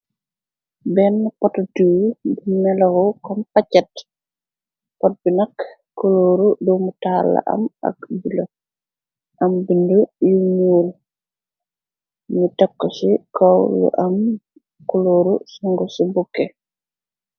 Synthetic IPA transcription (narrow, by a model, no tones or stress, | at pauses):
bɛnːpɔttubinɛlɐwɔkɔnpacːɐt | pɔt̚binɐkː | ɔloːɾudɔmutalɐ̰ʔɐ̰mɐ̰k̚bulɐ | ʔɐmbindujuɲuːl | mutɛkːɔsikɔwlṵʔɐm | kɔloːɾṵsuŋɡɔsubukːɛ